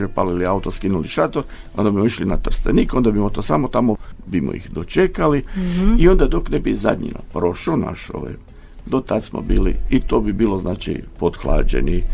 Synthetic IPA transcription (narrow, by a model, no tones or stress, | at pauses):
epa̰liliaut̪oskinuliʃat̪oɾ | ond̪abimoiʃlinat̪r̩st̪enikond̪abimot̪oːsamot̪amobimo̰ḭxd̪ot͡ʃekaliio̞nd̪ad̪o̞knebiza̰d̪ɲḭnapɾoʃana̰ʃo̰ʋa̰j | d̪ot̪ad̪smo̰biːlḭit̪o̞ːbibiːlˠoznaːt͡ʃḭpod̪xlˠa̰ːd͡ʒḛni